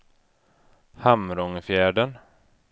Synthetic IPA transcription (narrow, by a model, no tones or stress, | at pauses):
hamɾɔŋfjæːɖən